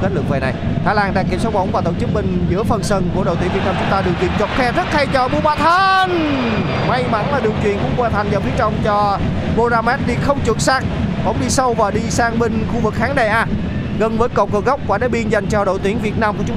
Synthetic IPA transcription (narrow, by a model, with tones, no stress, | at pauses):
ke˦˥lɨ˨˩k̚ve˨˩na˨˩jt̪ʰaː˨˦jlaː˧nɗaː˧˩ki˧˩əmsa˦˧˥wmə̰˧˦wŋ͡mvaː˨˩t̪o˧˨ŋ͡mt͡ɕɨ˦˥k̚mï˨˩ŋ̟zɨ̰˧˥əfə˨˩nsə˧nku˧˩əɗo̰˧˨t̪i˨˦˥ŋvi˨˩naː˧mt͡ɕʊ˨˦ŋ͡mt̪aː˧ɗɨ˨˩əwt̪wḭ˧˨ənt͡ɕo˨˩t̚xɛ˧zə˦˥t̚t̪ʰa˧jt͡ɕɔ˧˩ɓu˧əɓaː˧˩t̪ʰə˧n | ma˧jma˧˩˦nlaː˨˩ɗi˨˩əwt͡ɕwḭ˧˨ənkʊ̰˧˥ŋ͡mkwaː˧nt̪ʰa˨˩jŋzə˨˩wfi˨˦˥t͡ɕə̰˧˨wŋ͡mt͡ɕɔ˧ | ɓo˧zaː˧mɛ˦˥t̚ɗi˧xə˧wŋ͡mt͡ɕɨ˨˧˩ət̚saː˦˥k̚ɓə̰˧˥wŋ͡mɗi˧sə˧wvaː˨˩ɗi˧saː˧ŋɓi˧ŋ̟xu˧vɨ˨˩k̚xaː˨˦ŋɗa˨˩ʔaː˧ | ɣə˨˧˩nvəː˨˦jkə̰˧˨wŋ͡mkə˧˩ɣə˦˥wk͡p̚kwaː˧˩ɗe˨˧˦ɓi˧ənza˨˩jŋt͡ɕɔ˧ɗo̰˧˨jt̪wi˨˧˦əŋvi˨˩ət̚naː˧mku˧˩ət͡ɕʊ˦